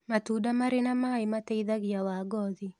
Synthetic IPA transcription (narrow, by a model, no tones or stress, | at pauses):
matudamaɾɪnamaɪmatɛiðaɡɪjawaɡɔði